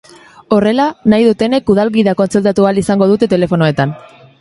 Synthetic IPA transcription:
o̞re̞lanajðut̪e̞ne̞kuð̞alɣiðako̞nt͡selt̪at̪ualisaŋɡo̞ðut̪e̞t̪e̞le̞fo̞noe̞t̪an

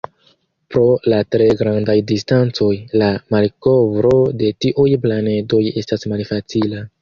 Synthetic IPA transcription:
pɾo̞latɾe̞ɡɾandajdistant͡so̞jlamalko̞vɾo̞de̞tiʔujplane̞do̞je̞stasmalfat͡sila

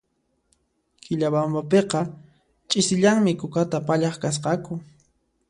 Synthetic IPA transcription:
kʰɪʎabambapeqɑ | t͡ʃʼɪsɪʎaŋmɪkʊkat̪apaʎɑχkas̬qɑkʊ

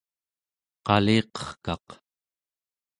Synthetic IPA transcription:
qɑleːqʌ̥χkɑq

